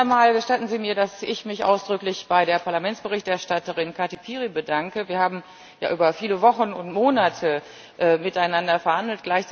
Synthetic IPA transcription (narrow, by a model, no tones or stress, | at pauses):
maːlɡəʃtatn̩ziːmiːɐdasɪçmɪçʔa̰ʊsd̥ʁʏklɪçb̥aɪɾeːɐpʰaɐlamɛntt͡sb̥əʁɪçtɛɐʃtatəʁɪnkʰaɐtipʰiːʁibədaŋkəviːɐhaːbm̩ | ja̰ːʔyːbɐfiːləvɔχnʊntmoːnatʰə | ʔɛːmɪtaɪnandɐfɛɐhandl̩t̚ɡ̥laɪçt͡s